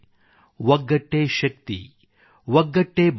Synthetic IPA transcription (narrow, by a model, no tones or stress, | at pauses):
ʋɐɡːɐʈːeːʃɐk̚t̪ḭ | ʋɐɡːɐʈːeːb